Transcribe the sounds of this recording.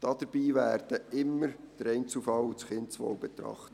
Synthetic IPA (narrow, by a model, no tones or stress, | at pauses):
d̥ɑd̥əɾb̥iːʋæːɾd̥əɪmːəɾd̥əɾɛɪnt͡sufɑwut͡sχɪntt͡sʋo̰ːʊbɛt̪ɾɑ̰χtə